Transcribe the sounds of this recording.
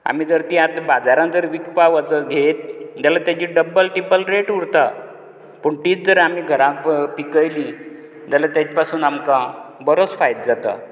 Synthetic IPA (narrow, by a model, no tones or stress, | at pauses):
a̰miːd͡zəɾt̪iat̪bad͡zaɾãnd͡zəɾʋikpaʋət͡səɡʱet̪̚d͡ʑalat̪jad͡ʑiːɖəbːəlʈipəlɾeʈuɾt̪a | pəɳʈiːt͡sd͡zəɾamiːɡʱəɾãkpikəjli | d͡ʑalat̪jat͡ɕpasuːnamkãbəɾot͡sfajt̪̚d͡zat̪a̰